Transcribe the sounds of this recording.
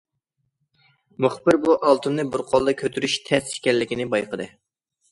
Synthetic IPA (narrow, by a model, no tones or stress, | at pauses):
muχbɪɾbuʔɑlˠt̪ʰɨnɨbʊɾqʰolˠd̪ɨkʲʰøt̪ʰyɾyʃt̪ʰɛsʃkʲɛlːɪkʲinɪbɑjqʰəd̪ɨ